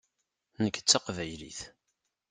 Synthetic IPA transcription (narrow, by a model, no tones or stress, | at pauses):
nəkːt͡sːaqvæjlḭθ